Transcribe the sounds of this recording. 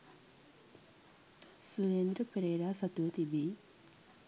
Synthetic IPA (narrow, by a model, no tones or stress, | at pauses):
suɾeːnd̪ɾɐpɾeːɾaːsɐt̪ut̪ibi